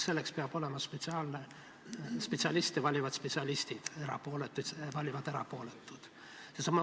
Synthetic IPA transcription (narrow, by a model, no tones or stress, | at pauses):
se̞lːe̞kspeɑb̥o̞le̞mɑspet̪siɑːlne | spet̪siɑlist̪evɑlʲivɑd̪spet̪siɑlʲist̪id̪̥eɾɑ̰poːlet̪ːˑu̥vɑlʲivɑd̪eɾɑ̰po̞ːlet̪ːˑud̪̥ | sesɑmːɑ